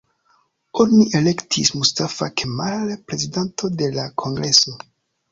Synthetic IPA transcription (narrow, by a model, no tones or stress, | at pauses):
o̞niʔe̞le̞ktʰismustafakʰemalpɾe̞zidantʰo̞de̞lakʰo̞ŋɡɾe̞so̞